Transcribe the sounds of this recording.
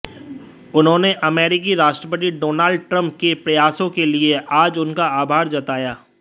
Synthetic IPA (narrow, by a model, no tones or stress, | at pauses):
ʊnɦõːneʔɐmɛːɾɪk̬iɾaːʃʈɾəpət̪̬iɖoːnaːlɖ̚ʈɾə̃mp̚kepɾɐjaːsõkelieʔaːd͡ʒʊnkaaːbʱaːɾd͡ʒɐt̪aːjaː